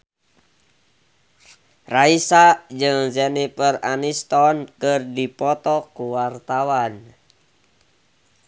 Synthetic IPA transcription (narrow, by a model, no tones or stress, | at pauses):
raisad͡ʒɨŋd͡ʒɛnipəranist̪ɔnkɨrdipɔt̪ɔkuwart̪awan